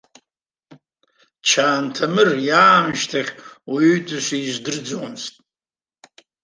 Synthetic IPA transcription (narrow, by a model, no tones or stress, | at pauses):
t͡ʃʰaːntʰamɨrjaːmʃtʰaχʲaytʰʼɨʃʷiizʷdɨrd͡zomstʼ